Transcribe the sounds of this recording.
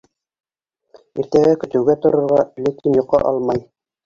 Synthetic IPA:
iɾt̪æɡækɵ̆t̪ɘ̆wɡæt̪ŏɾŏɾʁɑlækinjŏqːɑ̰ʔɑlˠmɑj

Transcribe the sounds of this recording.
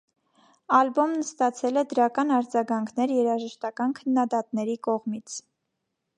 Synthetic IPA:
ɑlbɔmnəst̪ɑt͡sʰɛlɛd̪əɾɑkɑnɑɾd͡zɑɡɑŋkʰnɛɾjɛɾɑʒəʃt̪ɑkɑnkʰənːɑd̪ɑt̪nɛɾikɔʁmit͡sʰ

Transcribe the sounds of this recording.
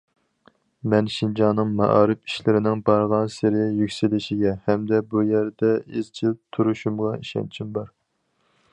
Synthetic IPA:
mɛnʃind͡ʒɑnɨŋmɑ̰ʔɑ̰ːɾɨfi̥ʃlɪɾɪnɪŋbɑɾʁɑnsɪɾɪjykʲsɪlɪʃiɡʲɛhɛmd̪ɛbujæɾd̪ɛɪzt͡ʃʰilt̪ʰuɾuʃumʁɑiʃɛ̰nt͡ʃʰimbɑɾ

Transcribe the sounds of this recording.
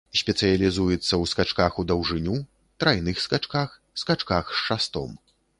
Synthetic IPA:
sʲpʲɛt̪sɨjɐlʲizujɛt̪sːɐwskat͡ʂkaxud̪ɐwʐɨnʲu | t̪ɾajnɨxskat͡ʂkax | skat͡ʂkaxʂʂast̪ɔ̰m

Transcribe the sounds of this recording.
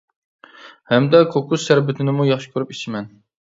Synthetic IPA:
hɛmd̪ɛkʰokʰussæɾbɪt̪ʰɪnɪmujɑχʃi̥kʲʰøɾypit͡ʃʰimɛn

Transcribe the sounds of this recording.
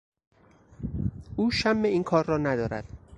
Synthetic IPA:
ʔuːʃæmːeiːnkʰɒːɾːɒːnæd̪ɒːɾæ̰d̪̥

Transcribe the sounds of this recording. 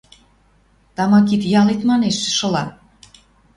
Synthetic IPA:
t̪ɑmɑkit̪jɑlit̪mɑneʃʃɤ̆lɑ

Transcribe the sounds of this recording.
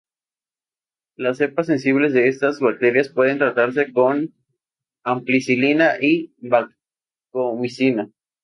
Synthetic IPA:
lasːe̞pas̬e̞nsiβle̞zðe̞est̪azβak̚t̪eɾjaspwe̞ð̞e̞nt̪ɾat̪aɾs̬e̞ko̞n | amplisilinaʔiβak | komisina

